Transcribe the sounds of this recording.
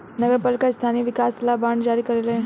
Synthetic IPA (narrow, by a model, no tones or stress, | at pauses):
nəɡəɾpɐlkast̪ʰaniʋɪkaslabaɳɖd͡ʒaɾiːkəɾelẽ